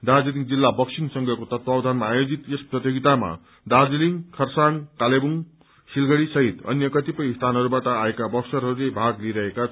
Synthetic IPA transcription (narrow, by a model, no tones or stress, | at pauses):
d̪ard͡ziliŋd͡zilːabʌksiŋsʌŋɡʱʌkot̪ʌt̪̚bawd̪ʱanmaːjod͡zit̪jesprʌt̪joɡit̪ama̰ | d̪ad͡ziliŋkʰʌrsankalebuŋ | silɡʌɽisʌɦit̪ʌ̰njʌkʌt̪ipʌjst̪ʰanɦʌɾubaʈʌaekabʌksʌɾɦʌɾulejbʱaɡliɾʌɦeka